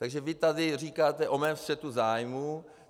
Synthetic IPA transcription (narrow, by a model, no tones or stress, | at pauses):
t̪aɡʒɛvɪt̪adɪriːkaːt̪ɛʔomɛːmst̪r̥ɛt̪uzaːjmu